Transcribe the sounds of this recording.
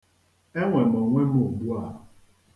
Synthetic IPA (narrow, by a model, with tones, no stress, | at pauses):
e˦ŋʷe˨mɔ˨ŋʷe˦mo˨bu˦a˦˨